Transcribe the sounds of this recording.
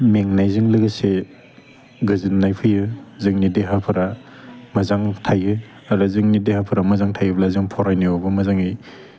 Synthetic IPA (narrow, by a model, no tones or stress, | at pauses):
meŋnajzɯŋlɯɡɯse | ɡɯzɯnːajpʰɯjɯzɯŋnideɦapʰɯɾamazaŋtʰajɯ | aɾɯzɯŋnidehapʰɯɾamɐzaŋtʰajɯblazɯŋpʰɔɾajnɯobɯmazaŋij